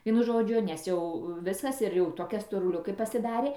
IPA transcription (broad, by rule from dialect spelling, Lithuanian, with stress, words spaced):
ˈʋʲiɛnʊ ˈʒoːd͡ʒʲʊ nʲɛs ˈjɛʊ ˈʋʲɪskɐs ɪr jɛʊ ˈtoːkʲɛ stoːrʊˈlʲʊkʲeː pɐsʲɪˈdɑːrʲeː